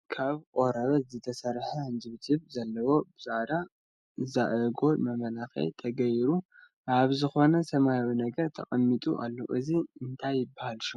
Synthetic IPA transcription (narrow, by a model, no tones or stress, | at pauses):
kʰaβkʼo̞ɾɐβɐzɨt̪ʰɐsɐɾħɐɨnzɨβɨt̪hɨβzɐlːɐwo̞bɨzad̪a | ɨzaʔɐɡo̞mɐmɐlaxɐ̰jt̪ʰɐɡɐjɾu | ʔaβzɨxo̞nɐsɐmajawinɐɡɐɾt̪ʰɐ̰χʼɐmːit̪ʼṵʔa̰lːo̰ʔɨziɨnt̪ʰajːɪbːahalʃu